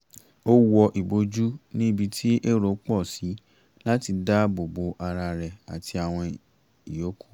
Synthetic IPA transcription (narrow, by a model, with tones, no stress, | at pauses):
o˦wɔ˧ʔi˨bo˧˦d͡ʒu˦nĩ˦bi˧tʰi˦ʔe˦ɾo˨˦k͡pɔ˦˨si˨˦ | la˦ti˧da˦bo˨bo˨˦ʔa˧ɾa˧ɾɛ˨a̰˨tʰi˧a˨w̃ɔ̃˧ | i˨jo˨˦ku̥˦˨